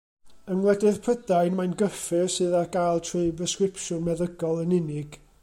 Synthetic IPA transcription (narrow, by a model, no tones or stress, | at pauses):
ənwlˠɛdɪðpʰrədajnmajnɡəfɨrsɨðaɡ̥ajlˠtʰrɨɨbrəskɪpʰʃʊnmɛðəɡɔlˠənɪnɪɡ̥